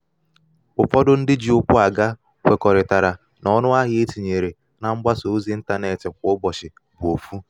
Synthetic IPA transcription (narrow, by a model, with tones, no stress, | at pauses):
pʊ˨fɔ˦dʊ˦n̩˦dɪ˦d͡ʒi˨ʊ˦kʷʊ˦a˨ɡa˦ | kʷe˨kɔ˨ɾɪ˨ta˨ɾa˨ | nɔ˦nʊ˦a˦ɦɪ˦e˦ti˨ɲe˨ɾe˨ | na˨ŋ͡m̩˦ɡ͡ba˦so˨˦zi˦n̩˦ta˦ne˦˨tɪ˨k̚ʷʊ˦bɔ˨t͡ʃɪ˨ | bʊ˨o˨fu˦